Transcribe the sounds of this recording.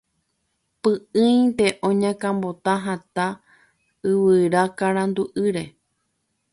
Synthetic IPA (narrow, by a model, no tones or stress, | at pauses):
pɨʔɨ̃j̪̃t̪e̞ʔõɲãkãmbo̞t̪ãɦãt̪a | ɨʋɨɾakaɾãnd̪uʔɨɾe̞